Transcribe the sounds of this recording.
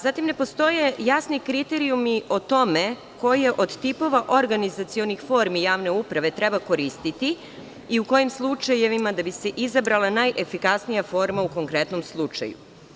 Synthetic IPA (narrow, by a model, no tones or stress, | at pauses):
zat̪imne̞po̞st̪o̞je̞jasnikɾit̪eɾijumiʔo̞t̪o̞me | ko̞jeʔo̞d̪t̪ipo̞ʋaʔo̞ɾɡanizat̪sio̞nixfo̞ɾmijaːʋne̞upɾaʋe̞t̪ɾebako̞ɾist̪it̪i | iuko̞jimslˠut͡ʃajeʋimad̪abise̞ʔizabɾalˠanajʔe̞fikasnijafo̞ɾmauko̞ŋkɾe̞t̪no̞mslˠut͡ʃa̰jṵ